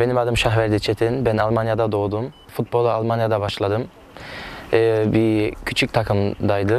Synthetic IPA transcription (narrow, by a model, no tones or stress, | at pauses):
be̞nimad̪ɯmʃaxvæɾd̪it͡ʃʰet̪ʰinbænalˠmanjad̪ad̪o̞ːd̪um | fut̪̚bo̞lˠalˠmanjad̪abaʃlˠad̪ɯm | bicʰyt͡ʃʰyc̚ʲt̪ʰakʰɯmd̪ajd̪ɯ